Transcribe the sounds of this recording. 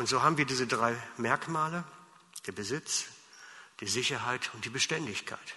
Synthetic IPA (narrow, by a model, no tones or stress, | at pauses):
ʔʊntz̥oːɦaːbm̩viːɐdiːzədʁaɪmɛɐkmaːlə | d̥eːɐbəzɪt͡s | d̥iːzɪçɐɦaɪtʰʊnt̚d̥iːbəʃtɛndɪçkʰa̰ɪt